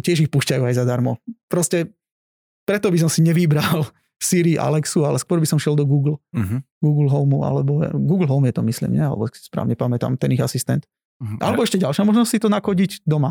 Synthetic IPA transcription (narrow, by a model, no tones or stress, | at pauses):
cɪɛʒixpuscajuajzad̪aɾmɔpɾɔscɛ | pɾɛt̪ɔbis̬ɔmsiɲɛʋibɾal | siɾiʔa̰lɛksualɛskwʊɔɾbisɔmʃɪɛlˠd̪ɔɡuːɡl̩ | ɡuːɡl̩ɦɔʊmua̰lɛbɔ̰ɡuːɡl̩ˠɦɔʊmjɛt̪ɔmislḭːmɲɛ̰alɛ̰bɔkspɾa̰ːʊɲɛpamɛt̪a̰mt̪ɛniɣasist̪ɛnt̪ | ʔa̰lɛbɔɛʃcɛɟalʃamɔʒnɔssit̪ɔnakɔɟiɟd̪ɔma